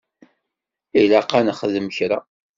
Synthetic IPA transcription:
ilaqanəχəðəməçɾa

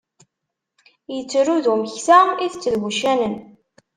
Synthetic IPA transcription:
jət͡sːɾuðuməçθaiθət͡sːəðɣuʃænən

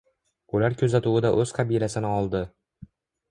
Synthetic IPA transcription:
ʊlaɾkʲʰɵzat̪uwɪd̪aʔɵz̥qʰɑbijlasɪnɪɒlˠd̪ɪ

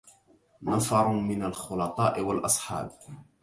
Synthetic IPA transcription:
nɑfɑɾˤmɪnalxʊlɑt̪ˤɑːʔɪwalʔɑsˤħɑ̰ːb

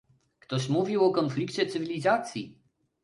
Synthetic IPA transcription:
kt̪ɔɕmuvʲiwɔkɔnflʲikt͡ɕɛt̪sɨvʲilʲizat̪sʲjḭ

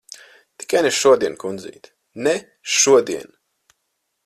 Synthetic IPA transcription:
t̪i̥kajneʃuɔd̪iɛnkund̪zḭːt̪ | nɛ | ʃuɔd̪iɛn

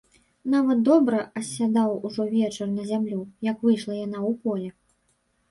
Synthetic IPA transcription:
navɐt̪̚d̪ɔbɾɐɐsʲad̪awuʐɔvʲɛt͡ʂɐrnɐzʲamlʲujɐkvɨjʂlˠɐjan̪awpɔlʲɛ

